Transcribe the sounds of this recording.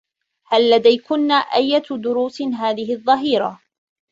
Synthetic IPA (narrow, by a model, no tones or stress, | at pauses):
halːad̪ajkʊnːaːʔajːad̪ʊɾuːsɦaːðɪɦɪðˤːɑɦiːɾɑ̰